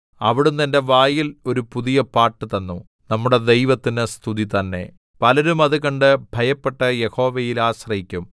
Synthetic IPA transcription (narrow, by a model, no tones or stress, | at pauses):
ɐʋiɽumt̪ɐnde̞ʋaːjilo̞ɾupuðijɐpaːrʈːɨt̪ɐnːu | nɐmːuɽe̞d̪e̞jʋɐt̪ːinɨst̪ʰuðit̪ɐnːe̞̰ | pɐlɐɾumɐðukɐɳɖɨbʱɐjɐpːe̞ʈːɐje̞ho̞ːʋɐjilaːɕrɐɦikʲːum